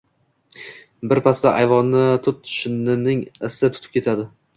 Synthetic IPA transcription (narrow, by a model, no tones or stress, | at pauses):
bɪɾpʰasd̪aʔajvɒnːɪt̪ʰʊt̪̚t̪ʰʊ̥ʃɪnːɪnɪŋɪsɪt̪ʰʊt̪ʰɪ̥p̚kʲʰe̞t̪ʰad̪ɪ